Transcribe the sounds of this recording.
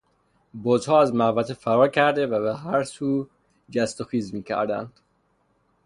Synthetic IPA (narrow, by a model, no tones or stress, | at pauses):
bɔːzhɒːæzmæhvæt̪ʰefæɾɒːcʰæɾd̪evæβeɦæɾsuː | d͡ʒæst̪oxiːzmiːcʰæ̰ɾd̪æ̰nd̪̥